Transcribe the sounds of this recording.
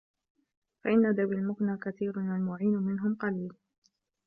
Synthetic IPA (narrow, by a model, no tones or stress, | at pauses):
faʔɪnːad̪awialmʊknaːkaθiːɾnalmʊʕiːnʊmɪnɦʊmqɑliːl